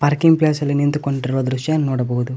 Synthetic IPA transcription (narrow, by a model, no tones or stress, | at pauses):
pɐɾkiŋɡplaːsɐlenint̪ukoɳɖiɾuʋɐd̪ɾuʂjaːnnɔːɽɐboːud̪u